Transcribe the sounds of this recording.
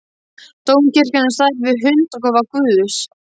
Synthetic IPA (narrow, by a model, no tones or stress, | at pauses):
t̪oːwmcɪr̥canḁsaːjɾɪvɪɦʏnt̪ɔkɔvaɾkʏːðʏs